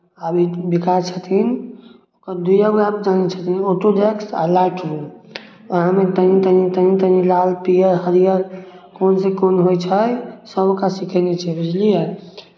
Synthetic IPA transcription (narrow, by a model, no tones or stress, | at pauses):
abibikat͡ʃʰət̪ʰin | okəɾd̪ujabapd͡ʒanɛt͡ʃʰət̪ʰinoʈoɖeksa̰laʈi | əɦamet̪ənĩt̪ənit̪ənĩt̪ənilalpijəɾɦəɾijəɾ | konsekonɦojt͡ʃʰəjsəbokasikʰənɛt͡ʃʰɛbid͡ʒlijə